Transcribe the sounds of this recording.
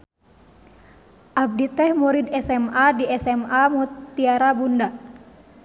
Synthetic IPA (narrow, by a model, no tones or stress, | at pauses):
ʔab̚dit̪ɛhmɔɾidɛsɛmadiɛsɛmamɔt̪ːiaɾabunda